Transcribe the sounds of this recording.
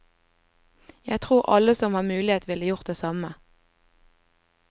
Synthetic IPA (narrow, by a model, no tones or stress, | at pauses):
jæɪɡt̪ʰʁuːʁʔɑ̰ləsɔmhɑːmʉːlɪeːt̪ʋɪləjʊʁt̪̚d̪eːsɑmə